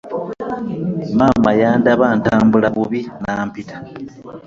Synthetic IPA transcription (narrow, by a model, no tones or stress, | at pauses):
maːmajaːndaβaːntaːmbulaβuβinaːmpitḁ